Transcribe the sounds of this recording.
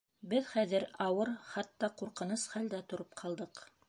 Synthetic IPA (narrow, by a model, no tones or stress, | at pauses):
bɘðχæðɘɾɑwɤɾχɑt̪ːɑquɾqɤ̆nɤsχæld̪æt̪ŏɾop̚qʰɑlˠd̪ɤq